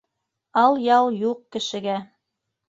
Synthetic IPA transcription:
ɑlˠjɑlˠjuq̚kɘ̆ʃɘ̆ɡæ

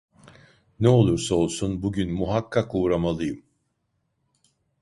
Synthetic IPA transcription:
nɛo̞lˠuɾsao̞lˠsunbuɟynmuɦakʰːakuːɾamalˠɯjɯm

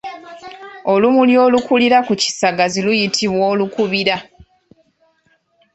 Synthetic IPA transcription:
o̞lumuljo̞ːlukuliɾakuci̥saɡazilujitʰiβwoːlukuβiɾa

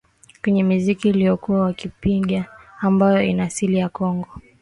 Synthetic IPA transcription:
kwɛɲɛmizikiːlijɔkuawakipiɠaːmbajɔinaːsilijakɔŋɡɔ

